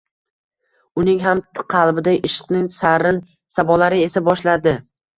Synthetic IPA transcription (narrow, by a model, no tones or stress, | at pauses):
ʊnɪŋɦamt̪qʰɑlˠbɪd̪aʔɪʃɨ̥qnɪŋsaɾɪn | sabɒlaɾɪe̞sabɒʃlad̪ɪ